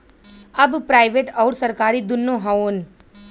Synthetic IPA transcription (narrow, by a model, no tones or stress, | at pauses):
ɐbpɾaːɪʋeːʈɔːɾsɐɾkaːɾid̪ʊnːoɦaoːn